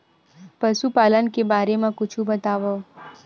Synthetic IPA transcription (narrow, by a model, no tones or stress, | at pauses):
pəʃupalənkebaɾemãkʊt͡ʃʰũbət̪aʋo